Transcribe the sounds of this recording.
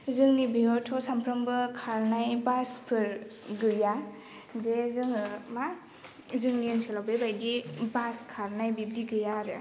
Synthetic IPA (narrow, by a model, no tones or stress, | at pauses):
zɯŋnibiɔtʰɔsampʰɾɔmbɯkʰaɾnajbaspʰɯɾɡɯja | zezɯŋma | zɯŋniɯnselabebajdibaskʰaɾnajbib̚diɡɯjaɾɯ